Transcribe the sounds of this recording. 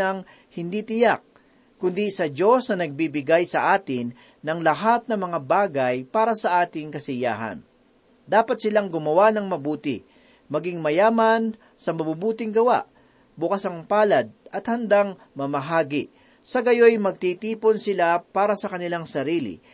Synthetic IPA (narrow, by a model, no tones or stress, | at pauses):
ɐŋ | hɪnd̪it̪ɪjak̚ | kʊnd̪isɐd͡ʒo̞snɐnɐɡ̚bibɪɡajsɐʔaːt̪ɪnː | ɐŋlɐɦat̪̚nɐmɐŋabaːɡɐjpaːɾɐsɐʔaːt̪ɪŋkɐsɪja̰ːɦɐ̰n | d̪aːpɐt̪̚sɪlaŋɡʊmɐwanɐŋmɐbuːt̪ɪ̰ | mɐɡiŋmɐjaːmɐn | sɐmɐbubuːt̪ɪŋɡɐwa̰ʔ | bʊkasɐŋpaːlɐd̪̚ɐt̪̚hɐnd̪aŋ | mɐmɐɦaːɡɪʔ | sɐɡɐjo̞jmɐɡ̚t̪it̪iːpo̞nsɪlapaːɾɐsɐkɐnɪlaŋsɐɾiːlɪ̰